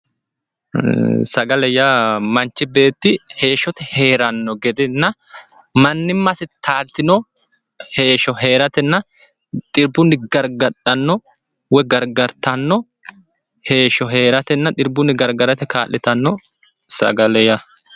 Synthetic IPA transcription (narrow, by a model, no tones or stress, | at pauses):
sɐɡɐlɛjamɐnt͡ʃːɪbe̞ːt̪ːɪhe̞ːʃːɔt̪ɛhe̞ːɾɐnːɔɡɛd̪ɪnːɐ | mɐnːɪmːɐsɪt̪aːlt̪ːɪnɔ | he̞ːʃɔɦe̞ːɾɐt̪ɛnːɐ | t̪ʼɪɾbʊnːɪɡɐɾɡɐᶑɐnːɔ | wɛɡɐɾɡɐɾt̪ɐnːɔ | he̞ːʃɔɦe̞ːɾɐt̪ɛnːɐt̪ʼɪɾbʊnːɪɡɐɾɡɐɾɐt̪ɛkaːlːɪt̪ɐnːɔ | sɐ̰ɡɐlɛja